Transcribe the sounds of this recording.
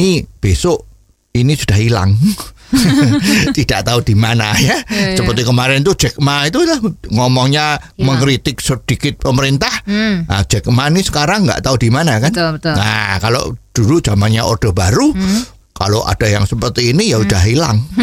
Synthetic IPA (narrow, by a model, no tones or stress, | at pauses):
nib̥esoʔ | inisud̥aɦila̰ŋ | t̪id̥aʔt̪aud̥i̤manajasəpərt̪ikəmaɾɛnt̪ud̥ʒ̥ɛk̚mait̪ulahŋɔmɔŋɲaməŋɾit̪ɪk̚səd̥ikɪt̪̚pəməɾint̪aha̰̥d͡ʒ̥ɛk̚mainisə̥kaɾaŋːɡa̰ʔt̪aud̥imanakannakalo̰d̥ulud̥ʒ̥amanɲaʔo̰d̥a̤b̥aɾu | ka̰loʔa̰d̥a̤jaŋsəpərt̪iːnijaud̥aɦilaŋ